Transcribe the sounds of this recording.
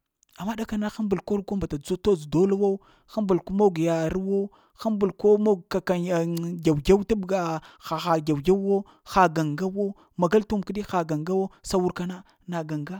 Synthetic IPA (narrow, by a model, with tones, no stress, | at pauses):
a˨mːa˦ɗa˦ka˦na˦xa˦mbu˨lko˦ɾɡo˦mba˨ta˨d͡zu˦to˦d͡zdo˦la˦wa˦u˦ | xa˦mbu˨lko˦mo˦ɡja˨ɾwo˦ | xa˦mbu˨lko˦mo˦ɡka˨ka˨n˨ɡʲa˨wɡʲa˦wta˦bɡa˨xa˨xa˨ɡʲa˨wɡʲa˦o˦ | xa˨ɡa˨ŋɡa˦wo˦ | ma˨ɡa˦ltu˦mki˦di˦xa˨ɡa˨ŋɡa˦wo˦sa˦wu˦ɾka˦na˦ | na˨ɡa˨ŋɡa˦